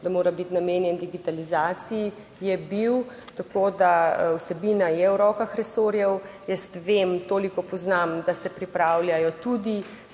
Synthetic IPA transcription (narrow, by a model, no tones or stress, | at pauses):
d̪amoːɾabit̪nameːnjɛnd̪iɡit̪alizaːt̪sii | jɛbiwt̪akoːd̪awsɛbiːnajɛwɾɔkaxɾɛsoɾjɛwjɛst̪ʋemt̪oːlikɔpɔznamd̪asɛpɾipɾawljajɔt̪ud̪i